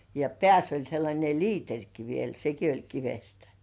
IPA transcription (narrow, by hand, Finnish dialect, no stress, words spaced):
jɑ pĕæˑsː olʲ selːɑnʲe liːterʲki ʋiel seki olʲ kiʋestæ̥